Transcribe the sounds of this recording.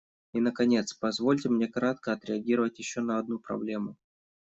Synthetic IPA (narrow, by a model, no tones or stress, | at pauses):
inəkɐnʲe̞t̪spɐzvo̞lʲtʲɪmnʲe̞kɾat̪kəɐt̪ɾʲɪɐɡʲiɾəvətʲjɪɕːo̞nəɐd̪̚nupɾɐ̰blʲe̞mʊ